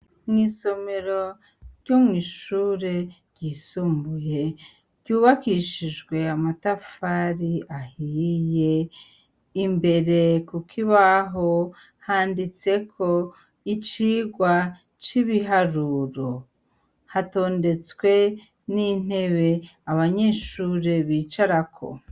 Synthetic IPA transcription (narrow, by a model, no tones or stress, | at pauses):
mŋiːso̞me̞ɾo̞ | ɾɟomŋiːʃuːɾe̞ɾɟiːsuːmbuje̞ | ɾɟuːβakiʃiʒɡwe̞amatafaɾiahije̞ | imbe̞ɾe̞kukʰiβaɦo̞ | haːndit͡se̞kʰo̞ | it͡ʃiːɡwa | t͡ʃiβiɦaɾuɾo̞ | hato̞ːnde̞t͡swe̞ | nin̥e̞βe̞aβaɲeʃuːɾe̞βiːt͡ʃaɾakʰo̞̰